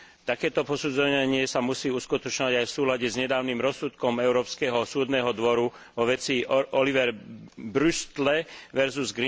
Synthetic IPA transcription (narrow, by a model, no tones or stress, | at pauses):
t̪akɛːt̪ɔpɔsuːd͡zɔaɲɪɛsamusiːuskut̪ɔt͡ʃɲɔʋaɟajfsuːlaɟɛzɲɛd̪aːʊnimɾɔsːut̪kɔmɛʊɾɔːpskɛɦɔsuːd̪nɛːɦɔd̪ʋɔɾu | ʋɔʋɛt͡siːʔɔliʋɛɾbɾust̪lɛʋɛɾzuzɡɾi